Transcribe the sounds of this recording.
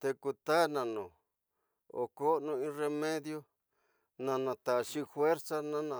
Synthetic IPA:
t̪e˧ku˧t̪a˦nã˨nõ˨ | o̰˨ko˦nũ˧ĩ˧˦re˧mẽ˦ðjo˦ | nã˧nã˧t̪a˨ʃi˦fwe˦ɾsa˦nã˦nã˨

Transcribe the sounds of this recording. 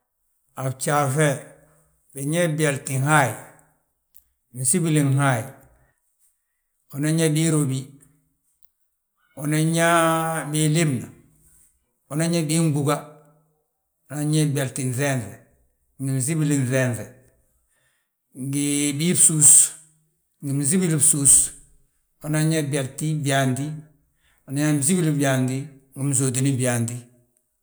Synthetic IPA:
abt͡ʃafe | beɲe˦bialti˨haj | misi˦bili˨ŋɦaji | onaɲa˦bi˦ɾobi˦ | onaɲa˦bili˦mna | o˨na˦ɲa˦bi˦ŋbuɡa | o˨na˦ɲe˦be˨ɾti˨nθe˦nθe˨ | ŋɡi˨mi˨zi˦bi˦lin˨θenθe˨ | ŋɡibi˦bsu˦s | ŋɡi˨mi˨zi˦bi˦li˦bsu˦s | o˨na˦ɲa˦be˨lti˦bi˨a˨ndi˦ | o˨na˦ɲa˦mi˨zi˦bi˦li˦bi˨a˨ndi˦ɡi˨mi˨zoː˨di˨ni˦bi˨a˨ndi˦

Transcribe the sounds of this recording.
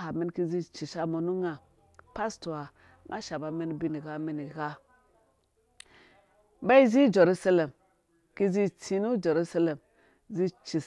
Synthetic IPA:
a˨mi˦nki˦zi˦t͡ʃi˨ʃa˦mo˨nu˦ŋa˨ | pa˦stu˨a˨ | ŋʔa̰˦ʃa˨ba˨˦mi˦n˦bi˦ni˨ɡa˦mi˦ni˨ɣa˦ | ba˦i˦zi˦d͡ʒe˨ɾu˦sa˦le˨m | ki˦zi˦t͡si˨nu˦d͡ʒe˨ɾu˦sa˦le˨m | zi˦t͡ʃi˨

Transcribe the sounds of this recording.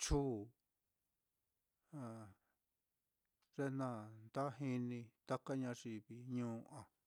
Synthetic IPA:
t͡ʃuː˦˨ | a˨ | ʐe˦nã˦˧nd̪a˦ɦi˧nĩ˧t̪a˦ka˦ɲã˧ʐi˧˨βi˧ɲũː˦ʔã˨

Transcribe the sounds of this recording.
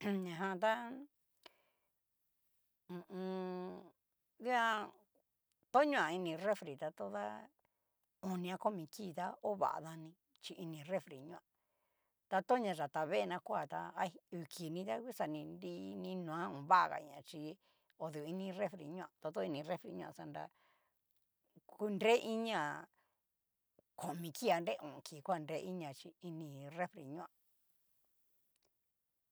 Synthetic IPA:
ɲã˨ɦã˧t̪a˦ | ũ˨ũ˧ | i˦a˧ | t̪o˦ɲũ˦ã˨i˧nĩ˧re˦fɾi˨t̪a˧t̪o˦ða̰˦ | o˧nĩ˧ã˧ko˦mĩ˧ki˦˨t̪a˦o˦βa̰˨a̰˧ða˧nĩ˧ | t͡ʃi˧i˧nĩ˧˨re˦fɾi˨ɲũ˧ã˧ | t̪a˧t̪o˦ɲã˧ʒa˨t̪a˧βe˦˧nã˧kʷa˧˨t̪a˧a˧u˨kʰi˨nĩ˧t̪a˦ku˦sa˧nĩ˧nɾi˦nĩ˦nũ˨ã˦ũ˨βa˦ʔa˧ɣa̰˨˧ɲã˨t͡ʃi˧ | o˧ðu˨˧i˧nĩ˧re˦fɾḛ˨ɲũ˦ã˨t̪a˧t̪o˦˧i˧nĩ˧re˦fɾḛ˧ɲũ˧ã̰˧˨sa˧nɾa̰˧ | ku˦nde˦ʔi˦ɲã˧˨ | ko˨mĩ˧ki˦a˧nɾe˦˧ʔũ˨kʰi˨kʷa˦˨˧nde˧˦i˦ɲã˨t͡ʃi˧i˧nĩ˧re˦fɾḛ˨ɲũ˦ã˧

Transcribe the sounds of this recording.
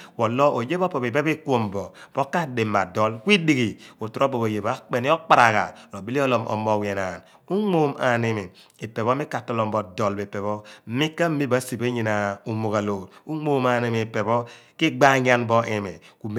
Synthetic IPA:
ko˨lɔ˦ʔo˨je˦bɔ˦pɔ˨be˨be˦be˦ku˦o˦˨mbɔ˨b̥o˦ka˦de˨mːa˨dɔ˦lkʷi˦di˨ɡi˨o˨tu˨ɾɔ˦bɔ˨bo˨je˨ba˨˦k͡pe˨ni˦ɔ˦k͡pa˨ɾa˨ka̰˨lo˨bi˦li˦ɔ˦lɔ˨mʔɔ̰˨mɔ˦˨we˨na˨n | u˦ŋo˦˨ma̰˨ne˨mi˨ | e˨pe˨βɔ˦i˦ka˨tɔ˦lɔ˨mbɔ˨dɔ˨lbe˨pe˨βɔ˦m̩˦mi˦kːa˦m̩˦mi˦ba˨˦si˨be˦ɲi˨na˨u˨mo˨ka˨lo˨t̚u˦ŋ͡mo˦ma˨ne˦˨mi˨pe˨bɔ˦ki˦ɡ͡ba˦ɲ˦a˦nbɔ˦ʔe˨me˨ku˨m

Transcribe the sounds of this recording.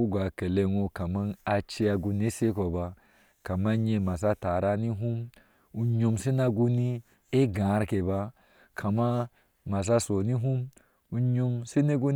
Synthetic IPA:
u˦ɡʷa˨ke˨le˦ŋo˦ka˨ma˦na˧t͡ʃe˦a˧ɡu˧n˦e˦se˦ko˨ba˧ | ka˨ma˦ɲe˧˨ma˨s̬a˦ta˨ɾa˦ni˦ɦu˦m | u˨ɲo˧mse˦na˦ɡu˦ni˦ | e˦ɡã˨˦ɾke˨ba˦ | kʰa˨ma˦ | ma˨s̬a˦so˨ni˦ɦu˦m | u˦ɲo˦mse˦ne˦ɡu˦n

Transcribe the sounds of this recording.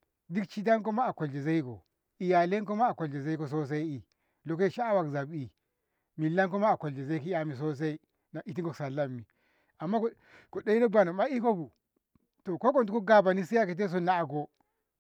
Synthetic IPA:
di˦kt͡ʃi˦t̬a˦nk̬o˦ma˦a˨ko˨ld͡ʒe˨za˦i˦ko̰˨ | i˨ja˨le˦k̬o˦ma˦a˨ko˨ld͡ʒe˨za˦i˦ko˨s̬o˦s̬a˦i˦i˨ | lo˨k̬e˦˨ʃa˦a˦wa˨kza˨bi˨ | mi˨lːa˦nk̬o˦ma˦a˨ko˨ld͡ʒe˨za˦i˦ki˦a˨mi˨s̬o˦s̬a˦i˦ | na˨ʔi˨t̬i˦ŋko˦˨sa˨lːa˦mːi˨ | a˨mːa˦ko˦ | ko˨de˦i˦no˦ba˨no˨ma˦i˦ko˦bu˨ | to˨ko˦ko˨ntu˨˦ko˦ɡa˨ba˨ni˦si˦ja˦ke˨t̬e˦s̬o˦na˦a˨ɡo˦

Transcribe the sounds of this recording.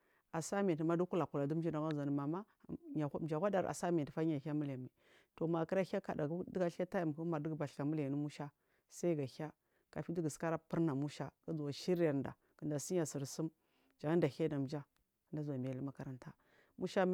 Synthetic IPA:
a˨sa˦mi˨tma˦du˦ku˦la˨ku˨la˨du˦m˦d͡ʒi˦da˨ɡa˦za˨n˨ma˨ma˦ | ɲa˨˦m˨d͡ʒa˨xʷa˦da˨ɾa̰˨sa˦mi˨tfa˦ɲa˨xa˦mu˦la˨ma˨ | to˨ma˨kə˦ɾa˦a˦ka̰˨da˨ɡdɡa˦ɬa˦ta˦ja˨m˨ku˦ma˨ɾdə˦ɡba˨ɬka˨mu˦la˨ni˦mu˦ʃa˦ | sa˦i˦ɡa˨xa˦ | ka̰˨fi˦di˦ɡa˨ska˦ɾa˦pi˦ɾna˨mu˦ʃa˦ka˦d͡zu˨wa˨ʃi˦ɾa˨da̰˨ | kə˨nda˨si˦a˨si˨ɾsu˦m | d͡ʒa˨ŋa˦n˦da˨xa˦da˨m˨d͡ʒa˦˨ | da˦za˨mi˨a˨li˦ma˦ka˨ɾa˨nta˦ | mu˦ʃa˦

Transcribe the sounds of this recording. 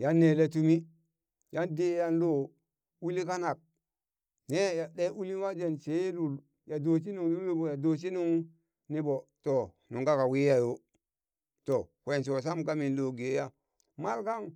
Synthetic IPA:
ja˦nːe˨le˦tu˦mi˦ | ja˦nde˦ja˦nlo˦˨ | u˦li˦ka˦na˨k̚ | ne˦ja˨ɗe˦ʔu˦li˦wa˦d͡ʒe˨nt͡ʃe˨˦lu˨l | ja˨do˨t͡ʃ̬i˦nu˨ŋlu˦i˦bo˨ja˨do˨t͡ʃi˦nu˦ŋ | ni˦bo˨to˨ | nu˨ɡa˦ka˨wi˦ja˨jo˦ | to˨kʷe˨ns̬o˨s̬a˦mka˦mi˨nlo˦˨ɡe˨˦ja˦ | ma˦lka˦ŋ

